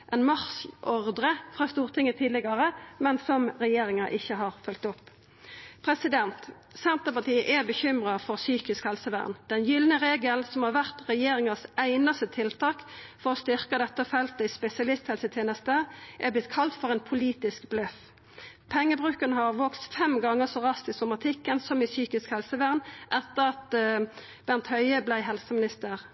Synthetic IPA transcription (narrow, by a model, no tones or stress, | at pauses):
ʔɛnmɑʁsʔɔʁd̪ʁəfʁɑːst̪uːʁt̪ʰɪŋːət̪ʰiːd̪lɪɡɑʁəmɛnsɔmʁɛjeːʁɪŋɑʔɪçːəɦɑːʁfœlt̪ɔpː | pʰʁɛsɪd̪ɛnt̪ | sɛnt̪əpɑʁt̪iːəʔæbəçʏmʁɑfɔʁsyːkɪskhɛlsəʋæ̰ːʁnd̪̥ɛnjʏlnəʁeːɡəlsɔmhɑːʁʋæʁt̪ʁɛjeːɾɪŋɑsæɪnɑst̪ət̪ʰɪlt̪ʰɑːkfɔʁɔst̪ʏʁkəd̪ɛt̪ːəfɛlt̪əɪspɛsɪɑlɪst̪hɛlsət̪ʰɪɛnɛst̪eːʔɛblɪt̪kʰɑlt̪fɔʁɛɪnpʰʊliːt̪ɪskblœf | pʰɛŋːəbʁʉːkənəhɑʁʋoːkst̪fɛmɡɑŋːəsɔʁɑst̪ɪsɔmɑt̪ʰɪkːənsɔmɪsyːkɪskhɛlsəʋæːʁnʔɛt̪ːəʁɑt̪ | b̥æʁnt̪hœʏəblæɪɦɛlsəmɪnɪst̪əʁ